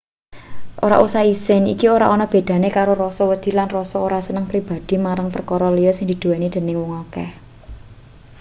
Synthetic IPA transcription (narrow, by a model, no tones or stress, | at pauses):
ʔoɾa̰ʔusaisɪnḭkioɾaʔɔnɔb̥e̤d̪̥a̤nekaɾoɾɔsɔwəd̪̥i̤lanrɔsɔoɾasənəŋpɾib̥a̤d̪̥i̤maɾaŋpərkɔɾɔlijɔsɪŋd̪̥i̤d̪̥uanid̪̥e̤nɪŋwʊŋɔkɛ̰h